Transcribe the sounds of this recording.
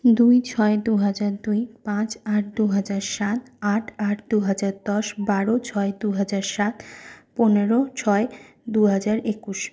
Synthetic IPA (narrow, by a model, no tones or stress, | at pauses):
d̪ujt͡ɕʰɔed̪uɦad͡ʑaɾd̪ujpãt͡ɕaʈ̚d̪uɦad͡ʑaɾʃat̪aʈʰaʈ̚d̪uɦad͡ʑaɾd̪ɔʃbaɾot͡ɕʰɔed̪uɦad͡ʑaɾʃat̪poneɾot͡ɕʰɔe | d̪uɦad͡ʑaɾʔekuʃ